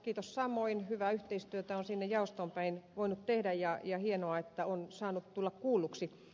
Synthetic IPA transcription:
kiːt̪ossɑmoinhyʋæyht̪eist̪yøt̪æonsinːejjɑost̪ompæinʋoinut̪t̪ehdæjjɑjɑhienoɑet̪ːæonsɑːnut̪t̪ulːɑkkuːlːuksi

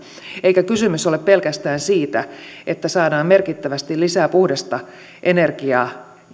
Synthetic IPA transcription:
eikækysymysoleppe̞lkæst̪æːnsiːt̪æʔet̪ːæsɑːdɑːmme̞rkit̪ːæʋæst̪ilisæːpuhdest̪ɑ | ʔene̞rkiɑː

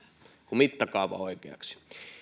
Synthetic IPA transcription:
kumit̪ːɑkɑˑuʋɑ̰oikeɑ̰ksi̥

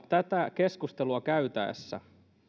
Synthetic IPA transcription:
t̪æt̪ækeskust̪eluɑkæyt̪æ̰ˑːsːæ̰

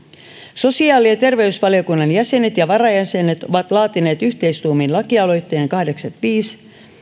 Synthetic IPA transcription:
so̞siɑːliɑt̪e̞rʋe̞ysʋɑlio̞kunːɑnjæse̞net̪jɑʋɑɾɑjæse̞net̪o̞ʋɑt̪lɑːt̪ine̞ːt̪yçt̪e̞jst̪uːminlɑkiɑlo̞jt̪ːe̞ːŋkɑhdeksɑt̪ʋiːs

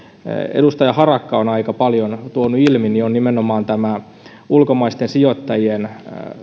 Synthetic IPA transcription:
ḛdust̪ɑjɑhɑrɑkːɑonɑikɑpɑljont̪uonuilminionnimenomɑːnt̪æmæ | ulkomɑist̪ensiot̪ːɑjien

